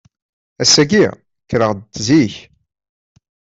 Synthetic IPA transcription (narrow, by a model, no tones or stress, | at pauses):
æsæɡi | kːɾəʁd̪t̪ːziç